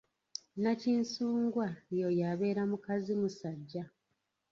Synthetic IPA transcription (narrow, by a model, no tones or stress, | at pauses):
naciːnsuːŋɡwajojaβe̞ːɾamukazimusaɟːa